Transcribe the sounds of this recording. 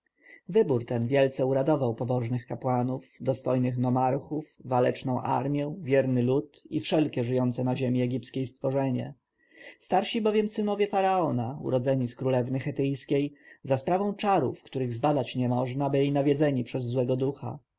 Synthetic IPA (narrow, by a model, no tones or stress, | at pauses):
vɘbuɾt̪ɛnvʲjɛlt̪sɛuɾad̪ɔvawpɔbɔʐnɘxkapwanufd̪ɔst̪ɔjnɘxnɔmaɾxufvalɛt͡ʂnɔ̃w̃ʔa̰ɾmʲjɛvʲjɛɾnɘlut̪ḭfʂɛlkʲɛʐɘjɔnt̪sɛnaʑemʲiɛɡʲipskʲejst̪fɔʐɛɲɛ̰ | st̪aɾɕibɔvʲjɛmsɘnɔvʲjɛfaɾaɔnaṵɾɔd̪zɛɲiskɾulɛvnɘxɛt̪ɘjskʲejzaspɾavɔ̃w̃t͡ʂaɾṵfkt̪uɾɘɣzbad̪at͡ɕɲɛmɔʐnabɘlʲinavʲjɛd̪zɛɲipʂɛzːwɛɡɔd̪uxa̰